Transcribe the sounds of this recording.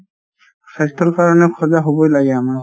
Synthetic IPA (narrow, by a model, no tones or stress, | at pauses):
xʰastʰɔɹkaɹɔnɛkʰɔzaɦobojlaɡɛama